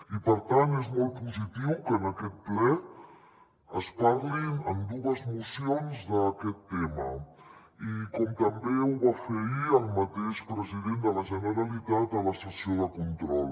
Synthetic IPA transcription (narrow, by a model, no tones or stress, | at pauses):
ipəɾt̪anezmɔl̚ˠpuzit̪iwkənəkɛt̪̚plɛ | əspaɾlinəmd̪uəzmusionzðəkɛt̪ːɛmə | ikɔmt̪əmbeuβafeiəlˠmət̪eʃpɾəziðend̪ələʒənəɾəlit̪at̪̚ələsəsioðəkunt̪ɾɔlˠ